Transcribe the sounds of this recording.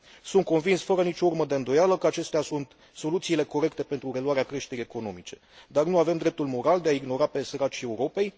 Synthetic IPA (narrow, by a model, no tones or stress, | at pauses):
sunt̪̚ko̞nvinsfəɾənit͡ʃo̞urməd̪e̞ɨnd̪o̞jaləkəat͡ʃe̞st̪easunt̪ | so̞lut̪siːle̞ko̞ɾe̞k̚t̪e̞pent̪ɾuɾe̞luwaɾeakɾe̞ʃt̪e̞ɾije̞ko̞no̞mit͡ʃe̞̥̰ | d̪arnuave̞md̪ɾe̞p̚t̪ulmo̞ɾald̪eaiɡno̞ɾape̞səɾat͡ʃie̞uɾo̞pe̞j